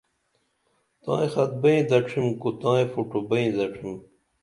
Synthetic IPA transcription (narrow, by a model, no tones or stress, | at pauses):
t̪ã̰ːjxɐt̪̚bɐĩd̪ɐʈ͡ʂʰimkut̪ãːĩfuʈubɐĩd̪ɐʈ͡ʂʰim